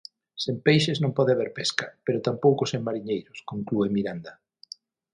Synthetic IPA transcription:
sempejʃeznõŋpɔðeɪaβeɾpɛskɐpeɾʊt̪ampowkʊseŋmaɾiɲejɾʊskoŋkluemiɾand̪ɐ

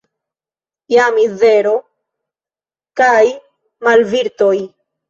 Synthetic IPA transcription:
jamiðeɾo | kaj | malviɾt̪oj

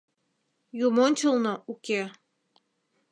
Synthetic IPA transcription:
jumonʲt͡ɕəlˠnouke

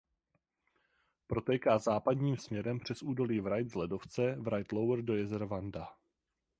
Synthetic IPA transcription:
pɾo̞t̪ɛːkaːzaːpadɲiːmsmɲɛɾɛmpr̝̥ɛsʔuːdo̞liːvɾajd̪zlɛdo̞ft͡sɛvɾajt̪lowɾdo̞jɛzɛɾvanda

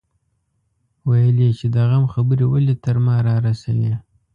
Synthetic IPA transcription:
wajəlet͡ʃed̪aɣamxabəɾewəlet̪əɾmɑɾɑɾasawe

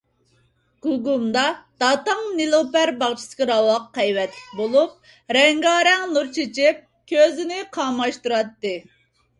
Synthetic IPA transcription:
ɡ̥uɡumd̪ɑd̪̥ɑt̪ɑŋnilˠopæɾbɑŋt͡ʃʰi̥sɨ̥kʲɪɾɑwɑqːɛjwɛt̪ʰlɪk̚bolˠup̚ | ɾɛŋɡɑːɾɛŋnuɾt͡ʃʰet͡ʃʰɪp̚ | kʲʰøzɪnɪqʰɑːmɑʃt̪uɾɑt̪ːɨ

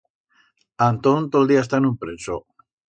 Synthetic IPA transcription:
ant̪ont̪old̪iaest̪anũmpɾeso

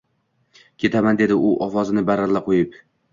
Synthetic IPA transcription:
kʲʰe̞t̪ʰamand̪e̞d̪ɪʔʊʔɒfɒzɪnɪbaɾalːaqʰojɪp

